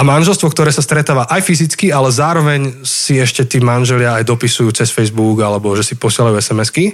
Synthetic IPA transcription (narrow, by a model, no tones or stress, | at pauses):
amanʒɛlst̪ʋɔkt̪ɔɾɛːsast̪ɾɛt̪aːʋaʔajfizit͡skialɛzaːɾɔʋɛɲsiɛʃcɛt̪iːmanʒɛlɪaːjd̪ɔpisujuːt͡sɛsfɛjzbuɡalɛbɔʒɛsipɔsɪɛlajuːɛsɛmɛski